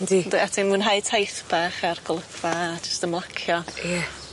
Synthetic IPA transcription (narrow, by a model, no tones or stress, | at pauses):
didəatʰinmunɦajtʰajθb̥aχarɡɔlˠəkʰv̥ad͡ʒə̥stəmlˠakʰjɔjɛ